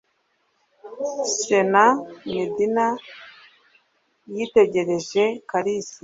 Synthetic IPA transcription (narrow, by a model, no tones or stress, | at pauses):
senamidina | jite̞ɟe̞ɾe̞ʒe̞kaɾisi